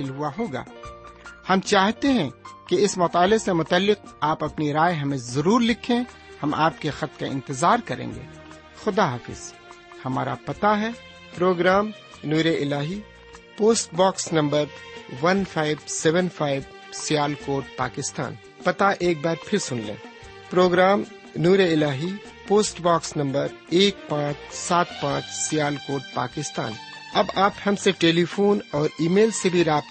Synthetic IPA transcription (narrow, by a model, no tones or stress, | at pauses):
ɪlɦʊaɦoːɡa̰ː | hɐmt͡ʃaːɦt̪eɦɛ̃keɪsmʊt̪aːlesemʊt̪əlːɪqaːpɐpniɾaːjɦɐmẽzɐɾuːɾlɪkʰẽ | hɐmʔa̰ːp̚kexɐt̪kaɪ̰̃nt̪ɪzaːɾkɐɾḛ̃ːŋɡḛː | xʊd̪aɦaːfɪ̰z̥ | hɐma̰ːɾa̰pɐt̪aɦɛ | pɾoːɡɾaːm | nuːɾeʔɪlaːɦi | poːsʈbaːksnɐ̃mbəɾʋɐnfʰaːɪʋsɛːʋənfʰaːɪʋ | sijaːlkoːʈ̚pa̰ːkɪst̪a̰ːn | pɐt̪aʔeːk̚bɛːt̪pʰɪɾsʊnlḛ̃ː | pɾoːɡɾaːm | nuːɾeɪlaːɦi | poːsʈbaːksnɐ̃mbəɾ | eːk̚pãːt͡ʃsaːt̪pãːt͡ʃʰsɪjaːlkoːʈ̚pa̰ːkɪst̪a̰ːn | ɐbaːphɐmseʈeːlifoːnɔːɾiːmeːlsebʱiɾaːp̪